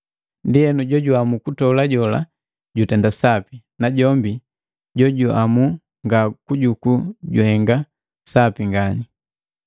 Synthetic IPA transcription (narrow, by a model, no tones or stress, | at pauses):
ndijɛnuɟɔɟuamukutɔlaɟɔla̰ | ɟutɛndasapi | naɟɔmbi | ɟɔɟuamu | ŋɡakuɟukuɟuhɛŋɡa | sapiŋɡani